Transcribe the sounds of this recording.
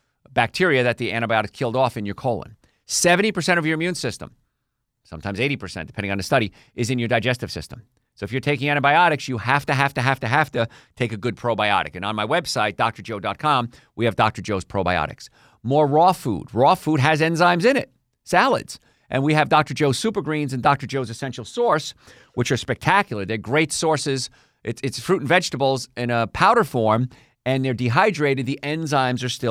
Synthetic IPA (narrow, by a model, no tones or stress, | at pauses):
bæk̚tʰɪɹiɨðɨt̪̚ðiʔæ̃ɾ̃ɨbaɪɑɾɨsʰɪlˠdɔfɨ̃njə˞kʰoʊlˠə̰̃n | sɛvɨ̃ntipə˞sɛ̃ɾ̃ʌvjə˞ɨ̃mjʉ̃nsɪstə̰̃m | sʌ̃mtʰãɪ̃mzeɪɾipʰə˞sɛ̰̃ntd̥ɨpʰɛ̃ndɪ̃ŋɨ̃n̩ðɨstʌɾi | ʔɨzɨ̃njə˞daɪd͡ʒɛstɨv̥sɪ̰stə̃m | soʊɨfjə˞tʰeɪkɪ̃ŋæ̃ɾ̃ɨbaɪɑɾɨksjɨhæftɨɦæftɨɦæftɨɦæftɨtʰeɪkɨɡʊd̚pʰɹ̥oʊbaɪɑ̰ɾɨ̰kɨ̃ñə̃nmaɪwɛb̥saɪt̚d̥ɑk̚tə˞d͡ʒoʊdɑt̚kʰɑ̃m | wiɨvdɑk̚tə˞d͡ʒoʊz̥pʰɹ̥oʊbaɪɑ̰ɾɨ̰ks | mɔɹɹɔfṵd̚ɹɔfud̚ɨzɛ̃nzãɪ̃mzɨ̃nɪ̰t̚ | sælˠə̰dz̥ | ʔɨ̰̃nwiɨvdɑk̚tə˞d͡ʒoʊ̥sʉpə˞ɡɹĩnzɨ̃ndɑk̚tə˞d͡ʒoʊzɨsɛ̃nʃl̩ˠsɔɹs | wət͡ʃə˞spɛk̚tʰækjl̩ˠə˞ðə˞ɡɹeɪtsɔɹsɪz | ʔɨtsɨtsfɹʉʔn̩vɛd͡ʒtəbl̩ˠzɪ̃nəpʰaʊɾə˞fɔɹm | ɨ̃nðə˞diɦaɪdɹeɪɾɨd̪̚ðiʔɛ̃nzãɪ̃mzə˞stɪ